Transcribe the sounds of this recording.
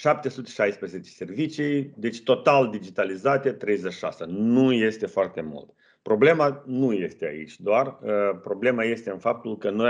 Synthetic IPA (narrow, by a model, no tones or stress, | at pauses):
ʃap̚t̪e̞sut̪e̞̥ʃajspɾeze̞t͡ʃe̥se̞rvit͡ʃiejd̪e̞t͡ʃʲt̪o̞t̪ald̪id͡ʒit̪alizat̪e̞t̪ɾe̞jzeʃi̥ʃa̰sənuje̞st̪e̞foart̪e̞mṵlt̪ | pɾo̞ble̞manuje̞st̪e̞a̰ḭt͡ʃʲd̪oarpɾo̞ble̞maje̞st̪e̞ɨnfap̚t̪ulkənoj